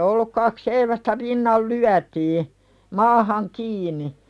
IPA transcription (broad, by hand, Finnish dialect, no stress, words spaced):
olːuk kɑk seiʋæstæ rinːɑl lyætiː mɑːhɑŋ kiːni